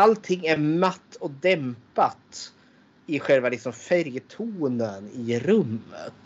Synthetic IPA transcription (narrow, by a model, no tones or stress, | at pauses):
alt̪ʰɪŋːæɾmat̪ːɔd̪ɛmpat̪ | ɪɧɛlvalɪksɔmfæɾjət̪ʰuːnənɪɾɵmːə̰t̪